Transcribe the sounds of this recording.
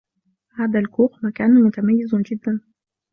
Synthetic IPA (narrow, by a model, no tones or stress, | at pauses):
haːd̪ælkuːqmækæːnumʊt̪æmæjːɪzʊnd͡ʒɪd̪ːæn